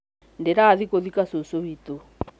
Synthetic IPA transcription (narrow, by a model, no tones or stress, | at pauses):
ndɛɾaːðikoðikasosoβit̪o